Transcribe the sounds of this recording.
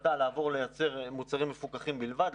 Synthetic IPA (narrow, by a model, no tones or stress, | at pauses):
dalaːvo̞ʁlejat͡se̞ʁmut͡saʁimːefukaχimbilvad̪